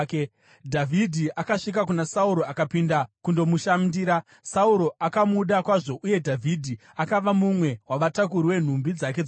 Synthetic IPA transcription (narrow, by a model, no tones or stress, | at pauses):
k | dʱavʱidʱiʔakaʂik̬akunasauɾo̞akapindakundo̞muʃamdiːɾa | sauɾo̞ʔakamuɗakwaʐo̞ʔuje̞dʱavʱidʱi | akaʋamumwe̞waʋatak̬uɾiwe̞n̤umbid͡zak̬e̞d͡z